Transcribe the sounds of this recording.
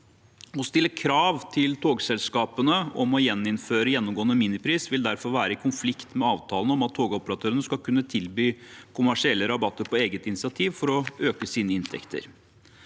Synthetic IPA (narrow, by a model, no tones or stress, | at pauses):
ɔst̪ɪlːəkʰɾɑːʋt̪ʰɪlt̪ʰoːɡsɛlskɑːpənəɔmɔjɛnːɪnføːɾəjɛnːɔmɡoːənəminɪpʰɾiːsʋɪld̪æɾfɔɾʋæːɾəɪkʰʊnflɪkt̪mɛɑːʋt̪ʰɑːlənəɔmɑt̪ʰːoːɡɔpəɾɑt̪ʰøːɾənəskɑkʰʉnːət̪ʰɪlbyːkʰʊmæʂɪɛlːəɾɑbɑt̪ːəɾpɔeːɡət̪ɪnɪt͡ssɪɑt̪ʰiːʋfɔɾɔøːkəsiːnəɪnt̪ʰɛ̰kt̪ʰə̰ɾ